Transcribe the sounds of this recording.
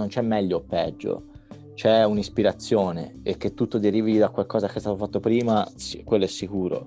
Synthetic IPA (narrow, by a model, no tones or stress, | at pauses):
nont͡ʃɛmːɛʎːopɛd͡ʒːo̰ | t͡ʃɛunispiɾat̪sːjoːnḛek̟ːet̪ːut̪ːod̪eɾiːvid̪akwalkɔːzakest̪aːt̪ofat̪ːopɾiːmakwelːoɛsːikuːɾo̰